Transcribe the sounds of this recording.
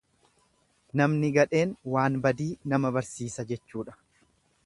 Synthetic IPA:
nɐmnɪɡɐᶑe̞ːnwaːnbɐd̪iːnɐmɐbɐɾsiːsɐd͡ʒɛt͡ʃːuːᶑɐ̥

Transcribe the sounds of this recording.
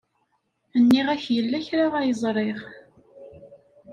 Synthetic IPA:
ənːiʁæçjəlːæçɾaʁajəzˤɾˤeʁ

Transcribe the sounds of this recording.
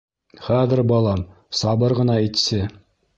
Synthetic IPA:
χæðɘ̆ɾbɑlˠɑm | sɑbɤɾʁɤ̆nɑit̪sɘ

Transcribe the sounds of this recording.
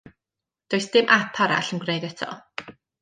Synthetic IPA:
d̥oːjsd̥ɪmʔapʰaɾa̰ɬənɡrejdɛtʰɔ̰

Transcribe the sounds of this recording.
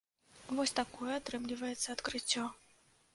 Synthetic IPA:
vɔsʲt̪akɔjɛat̪ɾɨmlʲivɐjɛt̪sːɐːt̪kɾɨt͡sʲːɔ

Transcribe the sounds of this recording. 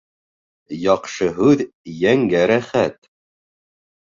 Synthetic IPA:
jɑqʃɤɦʉðjæŋɡæɾæχæt̪

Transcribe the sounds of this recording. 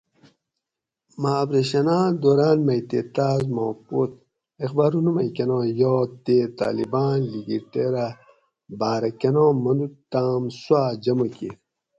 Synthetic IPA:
maːbɾeɕɐnaːd̪oɾaːnmɐjt̪eːt̪aːzmõːpot̪̚ | exbaːɾunumɐjkenõːjɔːt̪et̪a̰ːlibaːnliɡiʈeɾa | baːɾɐkenõːmɐnd̪ut̪ːaːmswaːd͡ʑɐmɐke

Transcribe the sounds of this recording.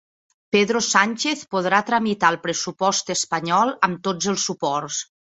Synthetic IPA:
peðɾosanʲt͡ʃeθpoð̞ɾat̪ɾəmit̪alˠpɾəsupɔst̪əspəɲɔlˠəmt̪od͡zəlˠsːupɔrs

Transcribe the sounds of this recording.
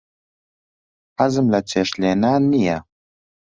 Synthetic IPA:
ħazɨmlɐt͡sʰeːʃleːnaːnijɐ

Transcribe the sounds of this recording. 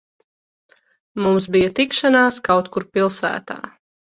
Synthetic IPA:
mums̬bijɐt̪ikʃanaːskawt̪kuɾpilˠsæ̰ːt̪a̰ː

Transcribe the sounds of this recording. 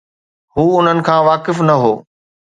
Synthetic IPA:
huːʊn̤ənɪ̆kʰãːʋaːkɪfnɐɦoː

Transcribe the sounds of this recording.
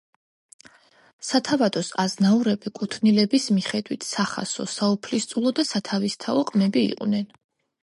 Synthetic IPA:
sat̪ʰavad̪ɔsaznauɾɛbikʼut̪ʰnilɛbismiχɛd̪wit̪ʰsaχa̰sɔ̰saupʰlist̪sʼulˠɔd̪asat̪ʰavist̪ʰaɔqʼmɛbḭːqʼvnɛn

